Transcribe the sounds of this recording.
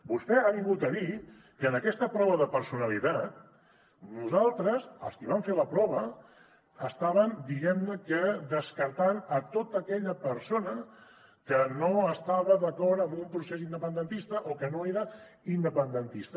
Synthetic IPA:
bust̪ɛaβiŋɡut̪əði | kənəkɛst̪əpɾɔβəðəpəɾsunəlit̪at̪̚ | nuzalˠt̪ɾəzə̰lˠskiβaɱfeləpɾɔβə | əst̪aβənd̪iɣɛmnəkəd̪əskəɾt̪anət̪ot̪əkɛʎəpəɾsonə | kənoəst̪aβəðəkɔɾt̪əmbumpɾusesind̪əpənd̪ənt̪ist̪əʔokənoeɾə | ind̪əpənd̪ənt̪ist̪ə

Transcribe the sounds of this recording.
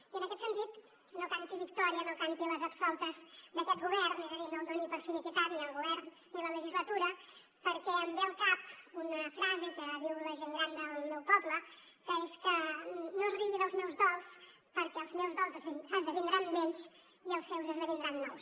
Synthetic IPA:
iənəkɛt̪sənt̪it̪ | nokant̪iβikt̪ɔɾiənokant̪iləzəpsɔlˠt̪əzd̪əkɛt̪ɡɣuβɛɾniðəβinond̪onipəɾfinikip̪aβliəlˠɣuβɛɾnːilələʒizlət̪uɾə | pəɾkɛəmbelˠkap̚unəfɾazəkəβiwləʒeŋɡɾand̪əlˠmewpɔblə | kəeskənozriʎinəlˠzmɛwzðɔlˠs | pəɾkɛəlˠzmɛwzðɔlˠzəzəzðəβind̪ɾanmeʎs | iəlˠsːewzəzðəβind̪ɾanːɔws

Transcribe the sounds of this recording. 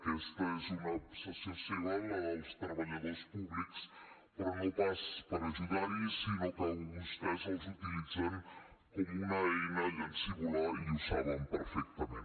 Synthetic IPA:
kɛst̪əezunəpsəsəsonanaalst̪ɾəβəʎəðospuβliks | t̪ɾəmut̪aspəɾəlˠzuðaɾisinot̪anist̪azəlˠzut̪ilid͡zɛm | t̪əniŋnəɛjnəjənsəɣulaiusaβəmpəɾfɛk̚t̪əmen

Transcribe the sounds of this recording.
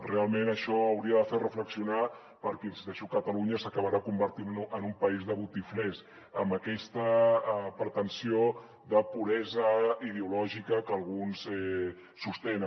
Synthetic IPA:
realˠmenəʃɔəwɾiəðəferəfləksiuna | pəɾkisd̪əʃɔkət̪əluɲəsəkəβaɾakumbəɾt̪inənumpəizðəβut̪iflɛs | əmbəkɛst̪əpəɾt̪ənsio | ðəpuɾɛzəið̞eulɔʒikəkəlˠɣunsɛ | sust̪ɛn

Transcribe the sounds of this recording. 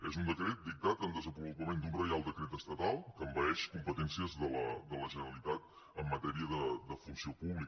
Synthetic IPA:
ezund̪əkɾet̪̚d̪ik̚t̪at̪ənd̪əzəpɾuβulp̪əmend̪unɾəjalˠd̪əkɾet̪əst̪ət̪alˠkəmbəɛʃkumpət̪ɛnsiəzðələd̪ələʒənəɾəlit̪at̪ | əmːət̪ɛɾiəðəd̪əfunsiopuβlik

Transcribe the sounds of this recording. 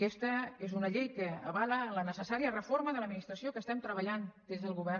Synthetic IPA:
kɛst̪əezunəʎejkəːβalələnəsəsaɾiərəfoɾməðələd̪minist̪ɾəsiokəst̪ɛmt̪ɾəβəʎand̪̥ezðəlˠɣuβɛr

